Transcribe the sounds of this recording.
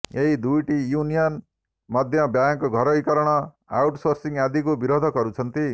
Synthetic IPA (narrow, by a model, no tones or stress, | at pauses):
eid̪ujʈijunijʌn | mʌd̪ʱjʌbjaŋkoɡʱʌɾoikʌɾʌɽ̃ʌ | a̰wʈsorsiŋjad̪ikobiɾod̪ʱʌkʌɾũt͡sʰʌnt̪i